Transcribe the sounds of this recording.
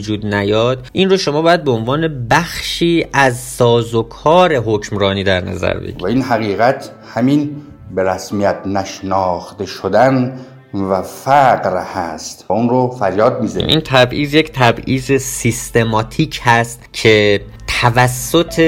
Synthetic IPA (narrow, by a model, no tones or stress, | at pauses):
d͡ʒuːd̪̚næjɒːd̪̥ʔinroʃo̞mɒːbɒːjæd̪̚beonvɒːne̞bæxʃiːʔæzsɒːzokʰɒːɾe̞ɦocmɾɒːniːd̪æɾnæ̰zæ̰ɾbḛɡæinɦæɣiːɣæt̪ʰ | hæmin | beɾæsmijæt̪næʃnɒːxt̪eʃod̪æn | væfæqɾhæst̪unɾofæɾjɒːd̪̚miz̰ʔint̪ʰæbʔiːzject̪ʰæbʔiːzesist̪e̞mɒːt̪ʰiːcʰhæst̪cʰe̞ | t̪ʰævæsːo̞t̪ʰe